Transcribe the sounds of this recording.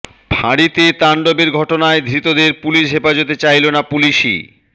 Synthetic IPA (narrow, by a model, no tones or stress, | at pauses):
bʱaɽit̪et̪aɳɖobeɾɡʱɔʈonaed̪ʱɾit̪od̪eɾpuliʃɦepad͡ʑot̪et͡ɕajlonapuliʃḭ